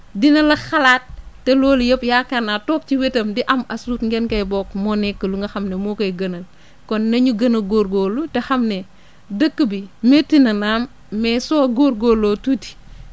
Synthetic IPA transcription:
dinɐlɐxɐlaːt̚ːɛlɔːljɐpjaːkɐnatɔːp̚ciwetɐmdiʔɐmɐsuːtŋɡɛnkɐjbɔːkmɔːnɛkːəluŋɡɐxɐmnemokɐjɡɐnɐl | kɔnːɐɲuɡɐnɐlɡoɾɡoːlutexɐmnɛ | dəkːəbimetːinɐnaːmː | ɛsɔːɡoːɾɡoːloːtuti̥

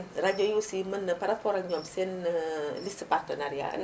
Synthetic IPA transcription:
rad͡ʒojusimənəpaɾat̪̚pɔɾanɲɔmsinlisəpart̪ənaɾia̰n

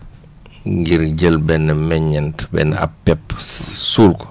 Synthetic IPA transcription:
ŋɡiɾɟəlbɛnːɛmɛɲɛntbɛ̰nɛ̰a̰pːɛpːsuːlkɔ̥

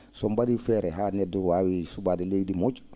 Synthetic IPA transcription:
sɔmbadifɛɾɛɦaːnɛduwawisubaːdilejdimot͡ʃu̥

